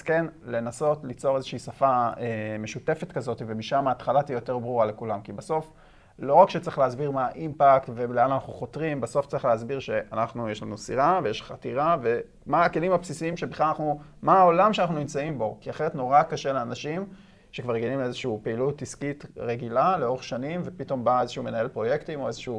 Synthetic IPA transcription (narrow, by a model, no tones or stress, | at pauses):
skenle̞naso̞tlit͡so̞ʁezeʃiiːsafaeme̞ʃute̞fe̞tkazo̞tivemiʃamaːt̪χalatijo̞te̞ʁbʁuʁale̞kulamkibaso̞f | lo̞ʁakʃet͡saʁiχleazbiʁmaʔimpaktvebleandanaχnuχo̞tʁimbeso̞ft͡saʁiχleazbiʁʃe̞ʔanaχnujeʃlanusiʁavejeʃχatiʁave̞ | maːkelimapsisiimʃebiχlalanaχnumaːo̞lamʃeanaχnunimt͡saimbo̞kiaχeʁetno̞ʁakaʃeleanaʃim | ʃekvaʁjeɡanimleezeʃiupeilutːiskitʁeɡilaleo̞ʁeχʃanimve̞pito̞mbae̞zeʃumenae̞lpʁo̞je̞ktimo̞ezeʃː